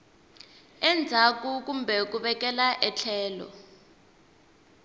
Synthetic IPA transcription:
ɛnd͡zʱak̬ʼuk̬ʼumbʱɛk̬uɓɛk̬ʼɛlaʔɛt͡ɬʰɛːlɔ̰

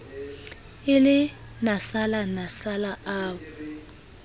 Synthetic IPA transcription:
ɪlɪ | nasalanasalaʔaːβʊ

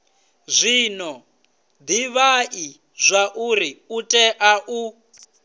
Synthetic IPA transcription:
zʷinɔ | d̪iβaʔi | zʷaʔuɾiutʼɛʔaʔu

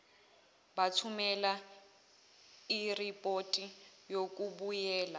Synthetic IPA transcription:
batʰumɛla | iripʼotʼijokʼuɓujɛːla

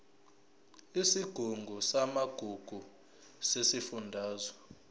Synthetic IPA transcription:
isiɡ̥ʱuŋɡʱusamaɡ̥ʱuɡ̥ʱu | sesifundʱaːzɔ

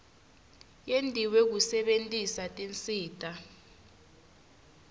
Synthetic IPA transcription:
jendʼʱiwek̬usɛɓentʼisatʼint͡sʼiːtʼa

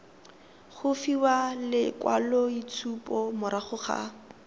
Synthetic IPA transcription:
χʊfiwalɪkwa̰lɔit͡sʰupʼɔmʊɾaχʊχa̰

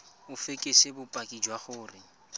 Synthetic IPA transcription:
ʊfekʼesebʊpʼakʼid͡ʒwaχʊːrɪ

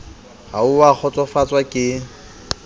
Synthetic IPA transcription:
hauwak͡xʰɔt͡sʼɔfat͡sʼwakʼɪ

